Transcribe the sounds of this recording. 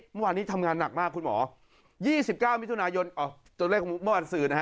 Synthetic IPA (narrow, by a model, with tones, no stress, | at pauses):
mɯ˥˩waː˧nːiː˦˥t̪ʰa˧mŋaː˧nːa˨˩k̚maː˥˩kʰːu˧nmɔ̰ː˩˦ | jiː˥˩si˨˩p̚kaː˥˩wmi˦˥t̪ʰu˧naː˧jo˧nʔɔː˨˩t̪u˧leː˥˩k̚mɯ˥˩waː˧nsɯː˨˩na˦˥ɦ